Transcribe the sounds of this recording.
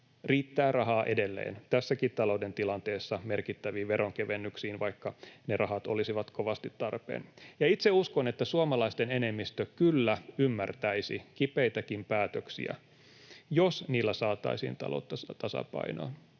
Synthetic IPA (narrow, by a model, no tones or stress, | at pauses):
riːt̪ːæːrɑɦɑːʔe̞de̞lːḛːnt̪æsːækit̪t̪ɑlo̞uwde̞nt̪ilɑnt̪eːsːɑme̞rkit̪ːæʋiːʋeɾʔoŋkeʋenːyksiːnʋɑjkːɑnerʔɑɦɑt̪o̞̰lisiʋɑt̪ko̞ʋɑst̪it̪tɑrpḛːnjɑit̪seuskone̞t̪ːæsuomɑlɑist̪ene̞ne̞mːist̪økylːæymːært̪æisḭkipejt̪ækimpæːt̪øksḭæ̰ | josniːlːæsɑːt̪ɑ̰isḭːnt̪ɑ̰lo̰t̪ːɑst̪ɑsɑ̰pɑ̰ino̰ːn